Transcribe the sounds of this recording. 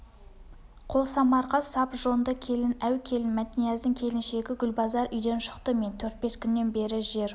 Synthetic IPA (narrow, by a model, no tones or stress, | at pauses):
qʰo̞lˠsɑmɑɾʁɑsɑpʒo̞nd̪əkʲʰe̞lɪnæwkʲʰe̞lɪnmæt̪ɪnijæzd̪ɪŋkʲʰe̞lɪnʃe̞ɡʲɪɡʲʏlbɑzɑɾʔʏjd̪e̞nʃə̥qt̪əme̞nt̪ʰɵɾt̪̚be̞skʲʰʏnːe̞nbe̞ɾɪʒe̞ɾ